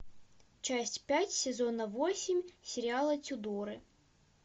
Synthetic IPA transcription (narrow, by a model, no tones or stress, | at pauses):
t͡ʃasʲtʲpʲatʲsʲɛzɔnɐʋɔsʲimʲsʲeɾʲialˠɐt͡sʲud̪ɔɾɨ